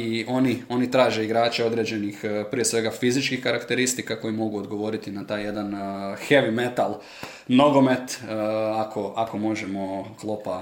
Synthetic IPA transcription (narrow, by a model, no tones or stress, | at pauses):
io̞nio̞nit̪ɾaːʒe̞iɡɾaːt͡ʃeo̞d̪ɾed͡ʑe̞nixpɾijesʋe̞ɡafizit͡ʃkixkaɾakt̪eɾist̪ikako̞jimo̞ɡuod̪ɡo̞ʋo̞ɾit̪inat̪aːje̞d̪anxe̞ʋime̞t̪alˠ | no̞ɡo̞me̞t̪akʰo̞ako̞mo̞ʒemo̞klˠo̞pa